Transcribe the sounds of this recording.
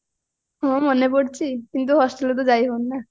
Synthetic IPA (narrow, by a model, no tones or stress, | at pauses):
ɦɔ̃mɔnepɔɽt͡ɕʰikint̪̬uɦɔsʈelɔt̪̬ɔd͡ʒajɦonːa